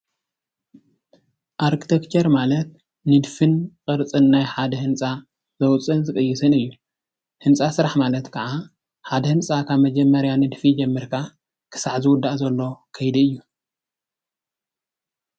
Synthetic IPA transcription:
ʔaɾkʰi̥t̪ʰekt͡ʃʰeɾmalɐt̪ | nɨd̪fɨnkʼɨɾt͡sʼɨnːajħad̪ɐhɨnt͡sʼa | zɐwt͡sʼɨnzɨkʼɨjːɪsɨnɨjːu | hɨnt͡sʼasɨɾaħmalɐt̪kʰɐʕa | ħad̪ɐhɨnt͡sʼakʰaβmɐd͡ʒɛmːɐɾjanɨd̪fid͡ʒɛmːɨɾkʰa | kʰɨ̥saʕzɨwʊd̪ːaʔzɐlːo̞kʰɐjd̪iɨjːu

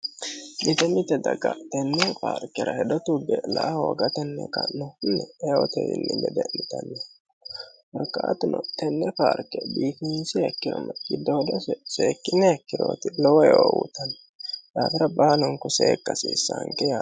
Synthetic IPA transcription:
nɪt̪ɛnɪt̪ɛd̪ɐɡɐt̪ɛnːɛpaːɾkɛɾɐhɛd̪ɔt̪ʊbɛlɐʔhoːɡɐt̪ɛnːɛkɐnɔnːɛɛwɔt̪ɛɪnːɪdɛd̪ɛnɪt̪ɐnːɛ | wɐɾkʼːaːt̪ʊnɔt̪ɛnːɛpaːɾkːɛbiːfinsɪɛkːɪɾɔnːɐɡɪd̪ːɔd̪ɔsɛseːkːɪnːɛɛkːɪɾo̰ːt̪ɪlɔwɔjoːwʊ̰t̪ɐn | d̪aːfɪɾɐbaːlɔŋkʊseːkːɐsiːsːɐŋkɛja

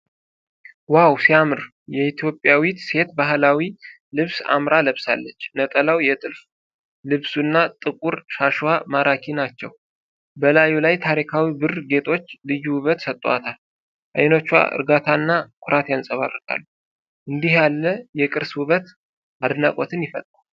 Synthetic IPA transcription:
wawsiamɨɾ | jɛit̪ʰjo̞pʼjawit̪se̞t̪baɦlawi | lɨβsa̰mɾaləβsa̰lːət͡ʃːnət̪ʼəlawjɛt̪ʼɨlf | lɨβsunːat̪ʼɨkʼuɾʃaʃwamaɾakʰinat͡ʃːɛw | bəlajulajt̪ʰaɾikʰawibɨrɡe̞t̪ʰʼo̞t͡ʃːlɨjuwʊβət̪sət̪ʼːwa̰t̪ʰal | ʔa̰jnot͡ʃːwa̰ʔɨ̰ɾɡat̪ʰaɨnːakʷʰʊɾʔat̪ʰjansʼəβa̰rːəkʼa̰lːu | ʔɨnd̪ihjalːəjɛkʼɨɾswʊβət̪ | ad̪nakʼot̪ʰɨnjɪfət̪ʼːa

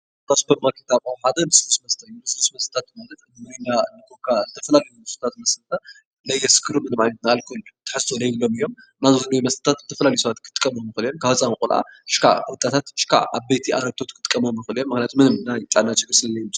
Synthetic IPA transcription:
tosbɐmakʰet̪ʰaβawħad̪ɐnɨslusmɐst̪ʰɐjunɨsɨlusmɐst̪ɐ̥t̪ʰat̪̚malɐt̪nɨmɨɾinanɨkʰokʰːazɨt̪ʰɐfɐlalɐjumɐst̪ɐt̪ʰat̪̚mɐslt̪ʰɐ | lɐjːɛskʰːɨɾumɨnɨmʕajnɐt̪naalkʰult̪ʰɨ̥ħɨst̪ʰolɐjbɨlo̞mijːo̞m | nazozɨlɐjumɐst̪ʰɐt̪ʰat̪zɨt̪ʰɐfɐlalɐjusɐβat̪kʰɨ̥t̪ʼɨ̥kʼːɐmomjɨxɨlijonkʰafɐt͡sʼanɨkʼulʔa̰ɨʃkʰa̰t̪ʼat̪ʰat̪ɨʃkʰa̰aβbejt̪ʰiaɾɐɡ̚t̪ʰot̪kʰɨ̥t̪ʼɨ̥kʼːɐmɐmjɨxɨlijonmɨxnʲijat̪mɨnɨmnajt̪ʼanat͡ʃɨɡɾsllɐjm

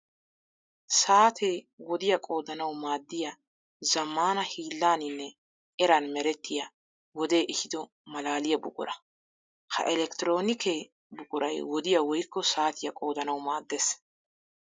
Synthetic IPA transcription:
saːt̪ʰeː | wɔd̪ɪjɐkʼo̞ːd̪ɐnɐwmaːd̪ːɪjɐ | zɐmːaːnɐhiːlːaːnɪnːɛ | ʔɛɾɐnmɛɾɛt̪ːɪjɐ | wɔd̪e̞ːʔɛhɪd̪ɔ | mɐlaːlɪjɐbʊkʼʊ̰ɾɐ | kʰɐ̰ʔɛlɛkt̪ɪɾo̞ːnɪkʰe | bʊkʼʊɾɐjwɔd̪ɪjɐwɔjkːɔsaːt̪ʰɪjɐkʼo̞ːd̪ɐnɐwmaːd̪ːeːs

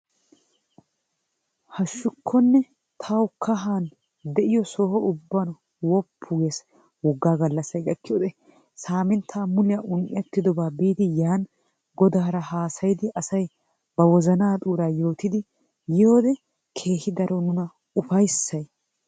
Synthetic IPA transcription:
hɐʃːʊkʰːɔnːɛ | t̪ʰɐwkʰɐɦaːn | d̪ɛʔɪjɔsoːhɔʊbːɐn | wɔpʰːʊɡes | wɔɡːaːɡɐlːɐsːɐjɡɐkːɪjoːd̪ɛ | saːmɪnt̪ʰaːmʊlɪjɐʔʊnʔɪɐt̪ːɪd̪ɔbaːbiːd̪ɪjaːn | ɡɔd̪aːɾɐhaːsɐjɪd̪ɪʔɐsɐj | b̥ɐwɔzɐnaːt̪ʼuːɾaːjo̞ːt̪ɪd̪ɪ | joːd̪ɛ | kʰe̞ːhɪd̪ɐɾɔnʊnɐ | ʊfɐjsːɐj

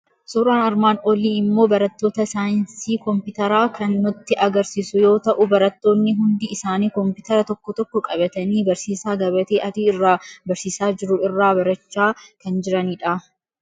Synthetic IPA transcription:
suːɾaːnɐɾmaːnɔliːɪmːo̞ːbɐɾɐt̪ːo̞ːt̪ɐsaːjɪnsiːkɔmpɪt̪ɐɾaːkʰɐnːɔt̪ːɪʔɐɡɐɾsiːsʊjo̞ːt̪ɐʔʊbɐɾɐt̪ːo̞ːnːɪɦʊnd̪ɪɪsaːniːkɔmpɪt̪ɐɾɐt̪ɔkːɔt̪ɔkːɔkʼɐbɐt̪ɐniːbɐɾsiːsaːɡɐbɐt̪eːʔɐd̪irːaːbɐɾsiːsaːd͡ʒɪɾʊɪrːaːbɐɾɐt͡ʃːaːkɐnd͡ʒɪɾɐniːᶑɐ

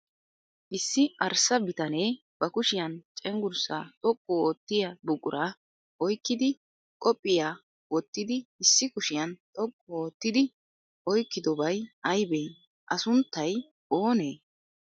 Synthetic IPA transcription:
ʔɪsːɪʔɐɾsɐbɪt̪ɐne̞ː | b̥ɐkʊʃɪjɐnt͡ʃʼɛŋɡʊɾsa̰ːt̪ʼɔkʼːɔoːt̪ːɪjɐbʊkʼʊɾʔɐ | ʔɔjkːɪd̪ɪ | kʼɔpʼːɪjaː | wɔt̪ːɪd̪ɪɪsːɪkʊʃɪjɐnt̪ʼɔkʼːɔoːt̪ːɪd̪ɪ | ʔɔjkːɪd̪ɔbɐjɐjbeː | ʔɐsʊnt̪ːɐj | ʔoːne̞ː

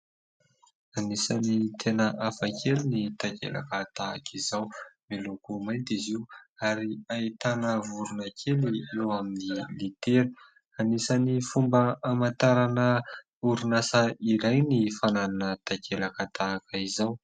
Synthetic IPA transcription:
anisanit̪ʰenəʔafakʰelinit̪akḛla̰kat̪aa̰kʰizawmilukumajnt̪iziuaɾiait̪anəvuɾunakʰeliewaminilit̪eɾu̥ | anisanifumbəamant̪aɾanə | uɾunasaiɾajnifanananət̪akʰelakat̪ʰaːkəizaw

